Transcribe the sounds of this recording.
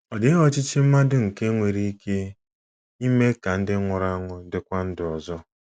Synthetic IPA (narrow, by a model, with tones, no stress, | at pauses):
ɔ˨dɪ˨˦ɦɔ˦t͡ʃɪ˦t͡ʃɪ˦m̩˦ma˦dʊ˦ŋ̩˨ke˦ŋʷe˨ɾi˦i˦kʰe˦ | i˦me˦ka˨n̩˦dɪ˦ŋʷʊ˨ɾa˦ŋʊ˦dɪ˨kʷa˦n̩˦dɪ˨ɔ˨zɔ˦